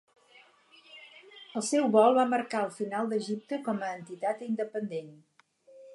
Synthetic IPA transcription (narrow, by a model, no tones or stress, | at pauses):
əlˠsɛwβɔlˠβaməɾkaəlˠfinalˠd̪əʒip̚t̪əkɔməːnt̪it̪at̪ind̪əpənd̪en